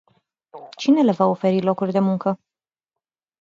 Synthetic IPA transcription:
t͡ʃine̞le̞vao̞fe̞ɾilo̞kurʲd̪e̞muŋkə

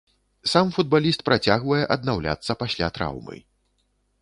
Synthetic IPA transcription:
samfud̪balʲist̪̚pɾʔat͡sʲaɣvɐjɛʔɐd̪nawlʲa̰t̪sːɐpasʲlʲa̰t̪ɾa̰wmɨ̰

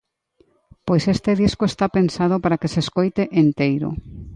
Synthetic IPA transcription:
pojsest̪eðiskoest̪apensað̞opaɾakeseskojt̪eʔent̪ejɾo̰

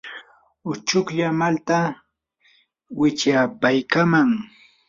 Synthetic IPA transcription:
ʊt͡ʃʊkʎamalt̪a | wɪt͡ʃapajkamaŋ

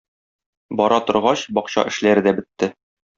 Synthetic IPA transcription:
bɒɾʔɑt̪ŏɾʁɑɕbɒqɕɑ̰ʔɘ̆ʃlæɾɘ̆d̪æbɘ̆t̪ːɘ

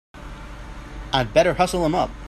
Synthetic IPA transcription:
aɪbɛɾə˞hʌsl̩ˠə̃mʌp̚

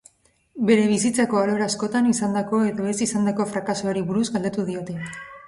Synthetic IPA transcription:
be̞ɾe̞β̞isit͡sako̞alo̞ɾaːsko̞t̪anisand̪ako̞e̞ðo̞e̞sisand̪ako̞fɾakasuoɾiβuɾuzɡald̪e̞t̪uð̞io̞t̪e̞

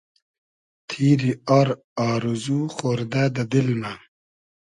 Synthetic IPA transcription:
t̪ʰiːɾiaɾ | aːɾuzuxoːɾd̪ad̪ɐd̪ilna

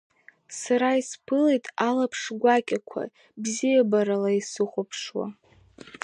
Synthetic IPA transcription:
saɾaispʰɨlejtʼalapʰʂɡʷakʲʼakʷʰa̰ | bzijabaɾalaisɨχʷopʰʂwa̰

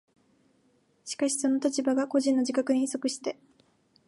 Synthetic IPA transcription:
ɕi̥kaɕi̥so̞no̞t̪at͡ɕibaɡako̞ʑĩnːo̞d͡ʑikakɯ̟ɲĩso̞kɯ̟ɕi̥t̪e̞

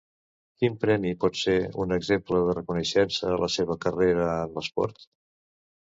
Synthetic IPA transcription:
kimpɾɛmipɔt̪seunəɡzempləðərəkunəʃɛnsəːlʔəseβ̞əkəreɾəəmləspɔ̰ɾt̪

